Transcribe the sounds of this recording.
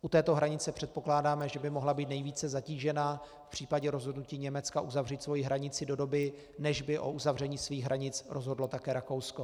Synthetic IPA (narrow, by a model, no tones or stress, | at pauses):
ʔut̪ɛːt̪o̞ɦɾaɲɪt͡sɛpr̝̥ɛt̪po̞klaːdaːmɛʒɛbɪmo̞ɦlabiːt̪̚nɛjviːt͡sɛzaciːʒɛnaː | fpr̝̥iːpaɟɛɾo̞zɦo̞dnuciːɲɛmɛt͡skaʔuzavriːt̪svo̞jɪɦɾaɲɪt͡sɪdo̞do̞bɪ | nɛʒbɪʔo̞̰ʔuzavrɛɲiːsviːɣɦɾaɲɪt͡sɾʔo̞zɦodlo̞t̪akɛːɾako̞wsko̞